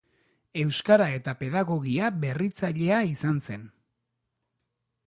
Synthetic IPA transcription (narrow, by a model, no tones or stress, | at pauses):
e̞wskaɾae̞t̪ape̞ðaɣo̞ɣiaβe̞rit͡saʎe̞aisanse̞n